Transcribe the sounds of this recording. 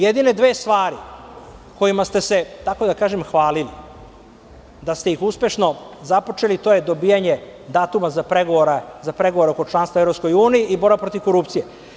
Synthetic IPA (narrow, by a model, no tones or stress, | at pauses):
jed̪ine̞d̪ʋeːst̪ʋaːɾi | ko̞jimast̪e̞se̞t̪ako̞d̪akaːʒemxʋaːlili | d̪ast̪e̞ixuspeʃno̞zapot͡ʃelit̪o̞jed̪o̞biːjaɲed̪aːt̪umazapɾeɡoʋoɾazapɾe̞ɡo̞ʋo̞ɾeoko̞t͡ʃlˠanst̪vaevɾo̞psko̞juːnijiʔibo̞ɾbapɾo̞t̪iʋko̞ɾupt̪sije